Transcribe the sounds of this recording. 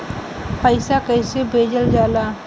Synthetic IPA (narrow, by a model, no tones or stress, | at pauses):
pəɪsakəɪsebʱeːd͡ʒəld͡ʒaːlaː